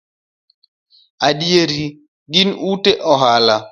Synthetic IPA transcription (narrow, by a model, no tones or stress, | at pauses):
aɗieɾi | ɡinuteʔɔɦala